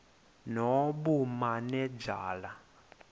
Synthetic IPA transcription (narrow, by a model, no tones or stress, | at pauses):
nɔɓumanɛd͡ʒaːla